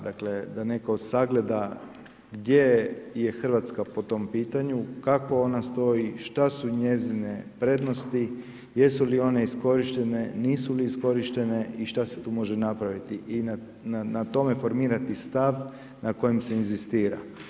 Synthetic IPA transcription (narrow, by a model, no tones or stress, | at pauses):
d̪akle̞d̪ane̞kaod̪saɡle̞d̪a | ɡd̪je̞je̞xr̩ʋat̪skapo̞t̪o̞mpiːt̪aɲukako̞o̞nast̪o̞jiʃt̪asuɲe̞zine̞pɾe̞d̪no̞st̪i | je̞sulio̞ne̞isko̞ɾiʃt̪e̞ne̞niːsuliːsko̞ɾiʃt̪e̞ne̞iʃt̪ase̞t̪uːmo̞ʒe̞napɾaʋit̪iʔina | nanat̪o̞me̞fo̞ɾmiːɾat̪ist̪aʋ | nako̞jemse̞inzist̪iːɾa̰